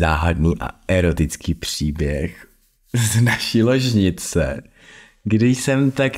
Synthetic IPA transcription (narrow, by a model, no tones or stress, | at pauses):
aɦadnuʔa̰ɛɾot̪ɪt͡skiːpr̝̥iːbjɛx | znaʃiloʒɲɪt͡sɛ | ɡdɪjsɛmt̪ak